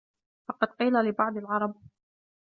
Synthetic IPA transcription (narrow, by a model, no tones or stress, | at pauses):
fɑqɑd̪̚qiːlalɪbɑʕd̪ˤɪlʕɑɾˤɑb̚